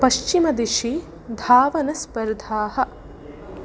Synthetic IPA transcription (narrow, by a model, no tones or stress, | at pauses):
pɐʃt͡ʃimɐd̪iʃi | d̪ʱaːʋɐnɐspɐɾd̪ʱaːhɐ̆